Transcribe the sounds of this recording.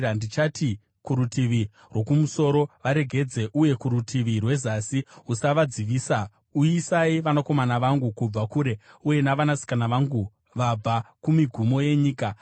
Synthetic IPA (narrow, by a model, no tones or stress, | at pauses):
andit͡ʃati | kuɾutiʋi | rwo̞kumuso̞ɾo̞ʋaɾe̞ɡʱe̞d͡ze̞ʔuje̞kuɾutʰiʋirwe̞zasiusaʋad͡ziʋiːsa | uisaiʋanako̞manaʋaŋɡukub͡vakuɾe̞uje̞naʋanasi̥kanaʋaŋɡu | ʋab͡vʱakumiɡʱumo̞je̞ɲiːka